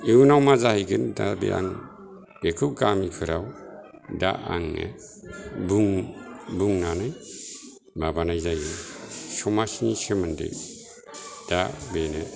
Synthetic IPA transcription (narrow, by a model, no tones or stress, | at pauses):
iunawmazahijɡɯnda̰bḛʔa̰ŋ | ekʰɯp̚ɡamikʰɯɾaw | da̰a̰ŋḛ | buŋbuŋnanɯj | mabanajzajɯsɔmasinisemɯndɯ̰ | d̥abene